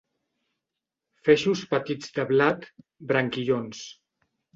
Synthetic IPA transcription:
fɛʃuspət̪id͡zd̪əβlat̪ | bɾaŋkiʎons

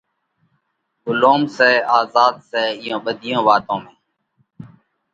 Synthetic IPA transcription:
ɡʊloːmsɛːaːzaːd̪sɛːɪjõːɓəd̪ʱɪjõːʋaːt̪õːmẽː

